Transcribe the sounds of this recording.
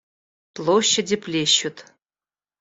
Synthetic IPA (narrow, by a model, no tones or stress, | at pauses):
plˠoɕːɐdʲiplʲeɕut̪